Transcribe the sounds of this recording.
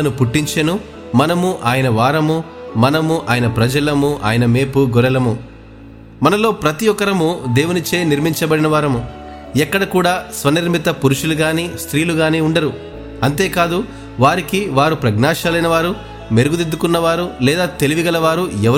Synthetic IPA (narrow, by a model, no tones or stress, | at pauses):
ɐnupuʈːiɲt͡ʃenu | mɐnɐmuʔaːjɐnɐʋaːɾɐmumɐnɐmuʔaːjɐnɐpɾɐd͡ʒɐlɐmuʔa̰ːjɐnɐme̞ːpuɡɔɾɐlɐmu | mɐnɐlo̞ːpɾɐt̪ijɔkɐɾɐmud̪e̞ːwunit͡ʃeːniɾmiɲt͡ʃɐbɐɽinɐʋaːɾɐmu | ɛkːɐɽɐkuːɽaːsʋɐniɾmit̪ɐpuɾuʂuluɡaːniːst̪ɾiːluɡaːniːuɳɖɐɾu | ɐnt̪e̞ːkaːd̪u | ʋaːɾikiʋaːɾupɾɐɡnaːʃaːlɐjnɐʋaːɾu | me̞ɾuɡud̪ed̪ːukunːɐʋaːɾulɛːd̪aːt̪e̞liʋiɡɐlɐʋaːɾuɛɐ